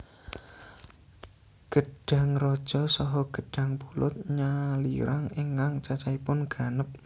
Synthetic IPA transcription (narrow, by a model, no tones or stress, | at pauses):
ɡ̥əɖ̥ä̤ŋrɔd̥ʒ̥ɔ̤sɔɦɔɡ̥ə̤ɖ̥ä̤ŋpulʊ̰t̪̚ɲalḭɾaŋeŋkaŋt͡ʃat͡ʃaipʊnɡ̥a̤nəp̚